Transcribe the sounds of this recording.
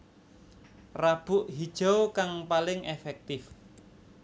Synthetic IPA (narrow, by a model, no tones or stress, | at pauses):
rab̥ʊʔɦid̥ʒ̥okaŋpalɪŋefɛk̚t̪ɪf